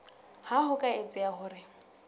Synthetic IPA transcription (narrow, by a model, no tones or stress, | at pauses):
hahʊkʼaet͡sʼɪahʊːrɪ